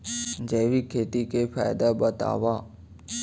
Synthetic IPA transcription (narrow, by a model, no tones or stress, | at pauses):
d͡ʒeːʋikʰeːt̪ikepʰa̰ːjd̪abət̪a̰ːʋaː